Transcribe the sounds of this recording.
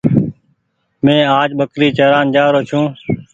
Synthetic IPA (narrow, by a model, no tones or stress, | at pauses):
mẽːaːd͡ʒɓəkɾiːt͡ʃəɾaːnd͡ʒaːɾoːt͡ʃʰũː